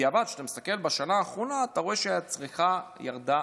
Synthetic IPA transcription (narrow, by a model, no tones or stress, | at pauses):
avad̪ʃe̥t̪amist̪ake̞lbaʃanaːχʁo̞naːt̪aʁo̞e̞ʃeaat͡sʁiχajaʁd̪a